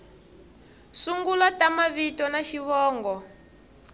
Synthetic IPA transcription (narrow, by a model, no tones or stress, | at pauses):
suŋɡulatamaβitɔnaʃiβɔːŋɡɔ